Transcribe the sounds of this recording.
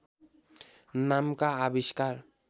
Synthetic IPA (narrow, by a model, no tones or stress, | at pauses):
namkaːbiʃkaɾ